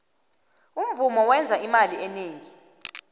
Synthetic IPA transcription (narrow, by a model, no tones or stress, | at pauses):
um̩vumɔwɛnd͡zʱaimaliʔɛneːŋi